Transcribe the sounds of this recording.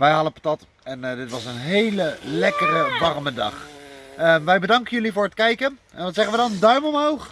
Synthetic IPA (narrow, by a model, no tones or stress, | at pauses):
ʋɛjɦɑdəpatɑt | ɛndɪtʋɑsənɦejləlɛkərəʋɑrmədɑ̰χəʋɛjbədɑŋkənjɵlivʊːɹɦətkɛjkənʔɛnʋɑtsɛχənʋədɑndœɥmɔmɦowχ